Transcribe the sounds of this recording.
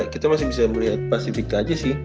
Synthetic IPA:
kit̪amasɪ̃bisaməliɦat̪̚pasifik̚t̪ad͡ʒasɪh

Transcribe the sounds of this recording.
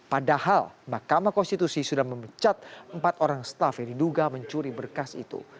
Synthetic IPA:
padahalmakamakɔnst̪it̪usisudahməmət͡ʃat̪̚əmpat̪oɾaŋsə̥t̪afjaŋdiduɡaməɲt͡ʃuɾibərkasḭt̪ṵ

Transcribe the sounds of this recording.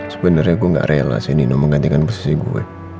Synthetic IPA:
sə̥pɛndərɲaɡuɛŋɡa̰ʔrʔɛala̰sininoməŋɡant̪ikanpɔsi̥siɡṵwɛ̰

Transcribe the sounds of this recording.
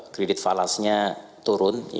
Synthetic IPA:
kɾedɪt̪̚falasɲat̪uɾʊnj

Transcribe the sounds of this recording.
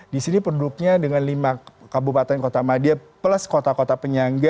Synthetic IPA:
disinipɾodʊk̚ɲadəŋanlimakabupat̪ɛnkot̪amadiapləskot̪akot̪apəɲaŋɡa

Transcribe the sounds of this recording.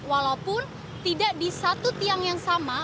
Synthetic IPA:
walaupʊn | t̪idaʔdisat̪ut̪iaŋjaŋsama

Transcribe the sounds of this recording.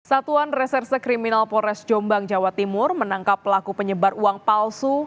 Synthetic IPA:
sat̪uanrɛsɛrsəkɾiminalpɔɾɛsd͡ʒombaŋd͡ʒawat̪imʊrmənaŋkapːəlakupəɲəbaruaŋpalsu

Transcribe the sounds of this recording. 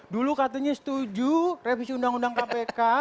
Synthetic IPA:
dulukat̪aɲasə̥t̪ud͡ʒurefisiundaŋundaŋkapeka

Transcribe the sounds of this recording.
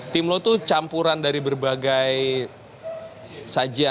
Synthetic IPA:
t̪imlot̪ut͡ʃampuɾandaɾibərbaɡaj | sad͡ʒia

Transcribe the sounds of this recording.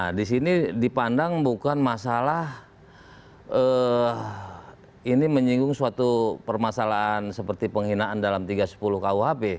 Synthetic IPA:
nadisinidipandaŋbukanmasalah | ə | iniməɲiŋɡʊŋsuat̪upərmasalaʔansəpərt̪ipəŋhinaʔandalamt̪iɡasə̥pulʊhkauɦape

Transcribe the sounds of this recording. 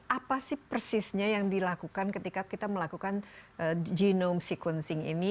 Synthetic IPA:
ʔapasɪhpərsɪsɲajaŋdilakukankət̪ikakit̪aməlakukanʔəd͡ʒinomsikwənsɪŋḭni

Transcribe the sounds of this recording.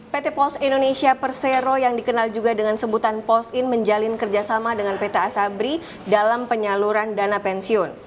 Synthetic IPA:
pet̪epɔsindonesiapərseɾojaŋdikənald͡ʒuɡadəŋansəbut̪anpɔsɪnməɲd͡ʒalɪnkərd͡ʒasamadəŋanpet̪aːsabɾi | dalampəɲaluɾandanapɛnsiʊn

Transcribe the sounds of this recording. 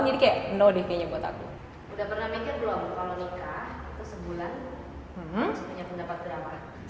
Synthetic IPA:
d͡ʒadikajaʔnodikaɲabuat̪a̰kṵ | udahpərnahmikɪrbəlawkalonikahit̪usəbulan | m̩hm̩səpuɲapəndapat̪̚ɡəɾama

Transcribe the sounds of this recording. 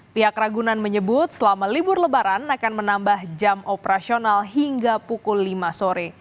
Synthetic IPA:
piɦakraɡunanməɲəbʊt̪̚səlamalibʊrləbaɾanakanmənambahd͡ʒamopəɾasionalɦiŋɡapukʊlːimasoɾɛ

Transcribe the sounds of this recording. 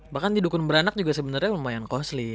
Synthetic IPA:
bahkandidukʊnbəɾanak̚d͡ʒuɡasəbənərɲaulmajankɔsli

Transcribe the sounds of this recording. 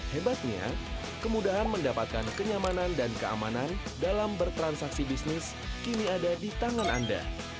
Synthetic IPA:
hebat̪̚ɲa̰ | kəmudaɦanməndapat̪̚kankəɲamanandankəa̰manandalambərt̪ɾansaksibisnɪs | kiniadadit̪aŋana̰nda̰

